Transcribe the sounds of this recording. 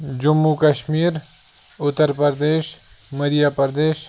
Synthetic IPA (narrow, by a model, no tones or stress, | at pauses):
d͡ʒʊmːukɐʃmiːɾ | ʊt̪ːəɾpəɾd̪eːʃ | mɐɾijaːpəɾd̪eːʃ